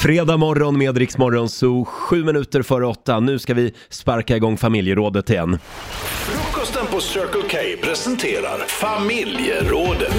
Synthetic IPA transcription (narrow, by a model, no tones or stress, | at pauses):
fɾeːd̪aːmɔɾːɔnmeːd̪ɾɪksmɔɾːɔnsɔɧʉ̟ːmɪnʉ̟ːt̪əɾfœːɾəɔt̪ːanʉ̟ːskavɪ | spaɾkaɪɡɔŋːfamɪljəɾoːd̪ət̪ːɪɛnːfɾukʰːɔst̪ənpɔsœːkəlkʰɛjpʰɾɛsɛnt̪ʰeːɾa̰ɾfamɪljə̰ɾoːd̪ət̪